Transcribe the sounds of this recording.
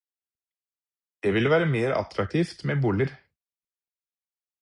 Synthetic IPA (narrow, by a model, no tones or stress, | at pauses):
d̪̥eʋɪlʋæːɾəmeːɾɑ̰t̪ʰɾɑk̚t̪ʰiːft̪meːbuːləɾ